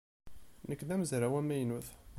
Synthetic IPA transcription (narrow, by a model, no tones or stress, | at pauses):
nəkːðæməzɾawæmːæjnuθ